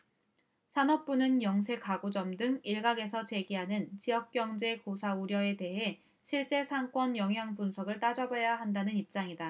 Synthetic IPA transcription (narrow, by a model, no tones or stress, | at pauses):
sʰanʌp̚p͈unɯnjʌŋsʰe̞kaɡod͡ʑʌmdɯŋiɭɡaɡe̞sʰʌt͡ɕe̞ɡiɦanɯnt͡ɕijʌk̚k͈jʌŋd͡ʑe̞kosʰauɾjʌe̞te̞ɦe̞ | ɕʰiɭt͡ɕ͈e̞sʰaŋk͈wʌnjʌŋɦjaŋpunsʰʌɡɯɭt͈ad͡ʑʌbʌjaɦandanɯnip̚t͡ɕ͈aŋida